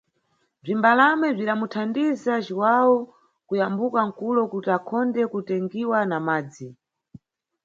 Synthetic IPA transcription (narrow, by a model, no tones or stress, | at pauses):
b͡ʐimbalamɛb͡ʐiɗamutʰandizat͡ʃiwawɔ | kujambukaŋ̩kulɔkutiakʰɔndɛkutɛŋɡiwanamaːd͡zi